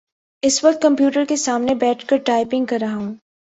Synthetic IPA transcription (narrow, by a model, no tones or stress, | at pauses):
ɪsʋɐk̚t̪̚kɐ̃mpjuːʈəɾkesaːmnebɛːʈʰkɐɾʈaːɪpɪ̃ŋɡ̚kɐɾːɐɦaɦũː